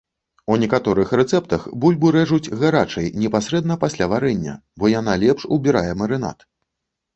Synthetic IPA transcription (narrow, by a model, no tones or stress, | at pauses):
unʲɛkat̪ɔɾɨxɾɛt̪sɛpt̪ɐxbulʲbɨɾɛʐud͡zʲɣaɾat͡ʂɐjnʲɛpasʲɾɛd̪nɐpasʲlʲavaɾɛnʲːɐ̰bɔjan̪alʲɛpʂṵbʲiɾa̰jɛmɐɾɨɛna̰t̪